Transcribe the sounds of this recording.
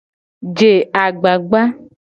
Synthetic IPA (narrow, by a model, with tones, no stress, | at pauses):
d͡ʒe˨a˨ɡ͡ba˨ɡ͡ba˦